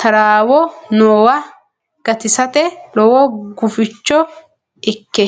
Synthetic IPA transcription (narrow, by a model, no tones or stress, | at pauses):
t̪ɐɾaːwɔnoːwɐ | ɡ̥ɐt̪ɪsɐt̪ɛlɔwɔɡʊfɪt͡ʃːɔ | ɪkːɛ